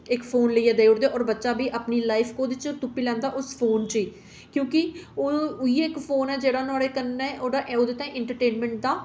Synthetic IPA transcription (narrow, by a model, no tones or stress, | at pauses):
ɪkpʰoːnləiːɛːd̪eːʊɽd̪eːʔɔːɾbətːʃaːbiːʔəpniːlaːɪpʰkõːd̪ɪt͡ʃt̪ʊpːiːlɛ̃ːnd̪aːʔʊspʰoːnt͡ʃiː | kjõːkɪoːiːɪkpʰoːnɛːd͡ʒeːɽaːnʊaːɽeːkənːɛːʔoːɽaːʔoːd̪eːt̪ãːʔɪ̃ɳʈəɾʈeːnmɛ̃ːɳʈ̚d̪aː